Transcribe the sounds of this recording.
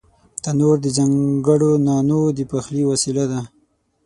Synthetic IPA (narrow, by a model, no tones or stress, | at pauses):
t̪anoɾd̪əd͡ʒaŋɡəɽonɑnod̪əpaxliwasilad̪a